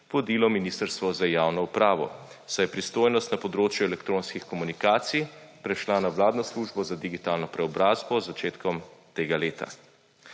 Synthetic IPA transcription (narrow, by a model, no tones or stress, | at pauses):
ʋɔd̪iːlɔminiːst̪əɾst̪ʋɔzajaːwnɔupɾaːʋɔ̰ | sajɛpɾist̪oːjnɔst̪napɔd̪ɾoːt͡ʃjuɛlɛkt̪ɾoːnskixkɔmunikaːt̪sijpɾɛʃlanawlaːd̪nɔsluʒbɔzad̪iɡit̪aːlnɔpɾɛɔbɾaːzbɔzːat͡ʃeːt̪kɔmt̪eːɡaleːt̪a̰